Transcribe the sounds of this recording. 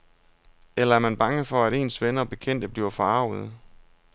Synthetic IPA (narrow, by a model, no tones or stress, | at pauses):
elɐæɐmænb̥ɑ̈ŋəfɒ̽æɾe̝̰ːnsʋenɐɒb̥e̝kʰen̰d̥əb̥liɐɐfɒ̽ɑ̈ʊ̰ð̞̩ˠ